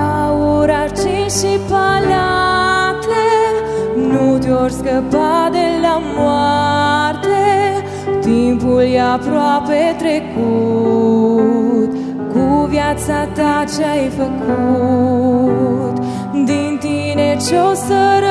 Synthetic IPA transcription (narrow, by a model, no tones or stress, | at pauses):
auɾart͡ʃiʃipalat̪le | nut̪jorskəpad̪elamwart̪e | t̪impuljapɾwapet̪ɾeku | t̪ | kuvjat̪sat̪at͡ʃeajfəkʰu | t̪ | d̪int̪inet͡ʃosəɾ